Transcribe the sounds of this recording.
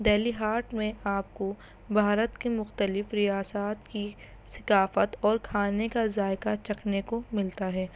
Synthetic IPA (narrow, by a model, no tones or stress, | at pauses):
d̪ɛːliɦaːɾʈmẽaːp̚ko | bʱaːɾət̪kemʊxt̪əlɪfɾijaːsaːt̪ki | sɪ̥kaːfət̪ɔːɾkʰaːnekazaːɪkat͡ʃɐkʰnekomɪlt̪aɦɛː